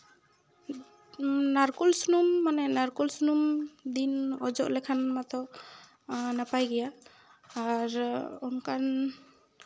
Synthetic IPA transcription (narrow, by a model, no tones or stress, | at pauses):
naɾkulsunumːanɛnaɾkulsunumd̪inɔd͡ʒɔʔlɛkʰanmat̪ɔ | napajɡɛjaː | ɾɔnkan